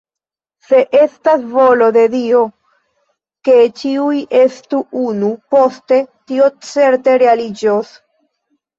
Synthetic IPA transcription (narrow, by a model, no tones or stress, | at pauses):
se̞ʔe̞stasvo̞lo̞de̞dio̞ | ke̞t͡ʃiujʔe̞stuunupo̞ste̞tio̞t͡se̞ɾte̞ɾe̞alid͡ʒos